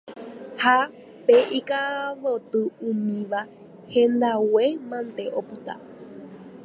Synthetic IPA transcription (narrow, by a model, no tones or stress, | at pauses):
ha | peʔikaʋot̪ɨũmĩʋa | hẽnd̪awemãnt̪eʔopɨt̪a̰